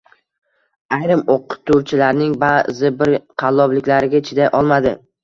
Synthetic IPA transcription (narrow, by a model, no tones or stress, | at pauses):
ajɾɪmoqːʊ̥t̪ʰːʊɾt͡ʃʰɪlaɾnɪŋbazɪbɪɾqʰɑlˠːɒblɪkʲlaɾɪɡʲaɪt͡ʃʰɪd̪aʔɒlˠmad̪ɪ